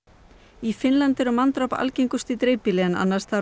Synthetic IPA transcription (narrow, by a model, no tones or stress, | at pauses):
ifɪnlant̪ɛɾʏmant̪ɾɔpa̰lcejŋkʏst̪it̪ɾeːjpilɛna̰nːḁst̪θʰa